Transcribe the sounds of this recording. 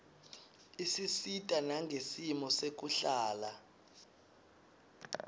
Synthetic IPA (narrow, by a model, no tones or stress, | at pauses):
isisitʼanaŋɡʱesimɔsek̬uɬaːla